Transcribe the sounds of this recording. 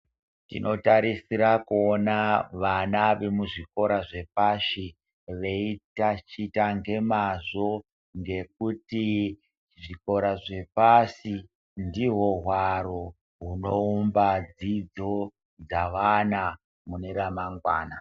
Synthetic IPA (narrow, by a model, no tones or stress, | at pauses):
tḭno̞taɾisiɾakuonaʋanaʋe̞muʐiko̞ɾaʐe̞paʃi | ʋe̞itat͡ʃitaŋɡe̞mazo̞ | ŋɡe̞k̚uti | ʐiko̞ɾaʐe̞pasi | ndiɦo̞ɦwaɾo | ɦuno̞umbad͡zid͡zo̞ | d͡zaʋana | mune̞ɾamaŋɡwa̰ːna